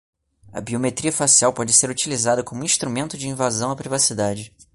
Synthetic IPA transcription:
ɐ̰biomet̪ɾiɐfasiawpɔd͡ʒɪseɾut͡ʃilizad̪ɐkõmũĩʃt̪ɾumẽnt̪ʊd͡ʒɪĩvazɐ̃w̃ɐpɾivasid̪ad͡ʒɪ

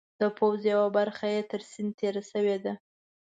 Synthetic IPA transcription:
d̪̥əpʰawzjawabaɾxajet̪əɾsɪnt̪ʰeɾasəwed̪a

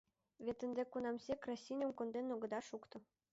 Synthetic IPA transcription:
βʲet̪ə̆nd̪ekunɑmsʲekrɑsʲinʲomkond̪enoɡɤ̆d̪ɑʃukt̪ɤ̆

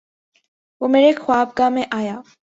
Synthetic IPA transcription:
ʋoːmeːɾexwaːb̚ɡamẽʔaːjaː

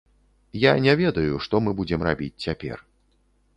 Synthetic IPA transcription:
janʲɛvʲɛd̪ɐjuʂt̪ɔmɨbud͡zʲɛmrabʲit͡sʲt͡sʲapʲɛ̰r

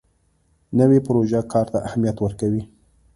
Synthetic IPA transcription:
nəwepʊɾoʒakʰɑɾt̪aʔahamijat̪wəɾkawi

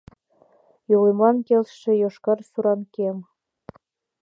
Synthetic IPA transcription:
jolemɑnkelʃĕjoʃkɑrsuɾɑnkem

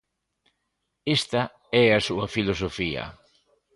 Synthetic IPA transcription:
est̪ɐ | ɛasuɐfilos̬ofiɐ̰

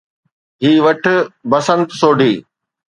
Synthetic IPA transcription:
ɦiːʋɐʈ̆ʰbɐsə̃nt̪soːɖʱiː

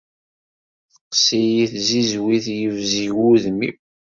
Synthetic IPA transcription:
θəqsijiθzizwiθjəvziwuðmḭ

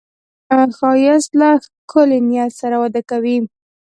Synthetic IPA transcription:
xɑjaslakʰʊlenjɑzsaɾawad̪akawi

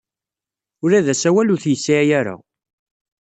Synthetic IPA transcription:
ʊɾæðæsæwælʊθjəsːiʕjæɾa̰

